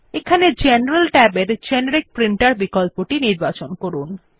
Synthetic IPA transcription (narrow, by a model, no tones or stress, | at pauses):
ekʰaned͡ʑeneɾalʈɛbeɾd͡ʑɛneɾik̚pɾiɳʈaɾbikolpoʈiniɾbat͡ɕonkoɾun